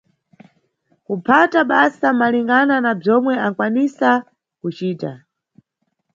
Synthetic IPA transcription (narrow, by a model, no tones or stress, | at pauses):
kupʰataɓasamaliŋɡananab͡ʐɔmwɛaŋkwanisa | kut͡ʃiːta̰